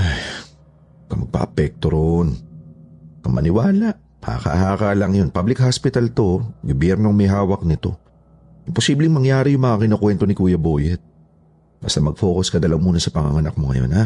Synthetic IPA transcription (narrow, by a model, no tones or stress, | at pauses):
ʔaj | kɐmɐɡ̚pɐ̰ʔɐpɛk̚t̪oɾon | ɐŋmɐ̰nɪwaːlaʔ | a̰ka̰haːkaːlɐŋjonpablɪkhaspɪt̪ɐlt̪o̞ɡobjɛɾnoŋmɛɦaːwɐk̚nɪt̪o̞̰ | ʔɪmpo̞siːblɪŋmɐŋjaːɾɪjʊŋmɐŋakɪnokwɛnt̪o̞nɪkuːjɐbo̞ːjɛt̪̚ | bɐst̪ɐmɐɡ̚fo̞ːkoskɐd̪ɐlɐŋmuːnɐsɐpɐŋa̰ŋɐnɐk̚moŋɐ̰jo̞̰na